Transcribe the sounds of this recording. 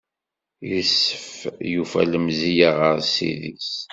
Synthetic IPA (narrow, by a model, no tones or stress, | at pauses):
jəsːəfjufæ̰ləmzijaʁəɾsḭðis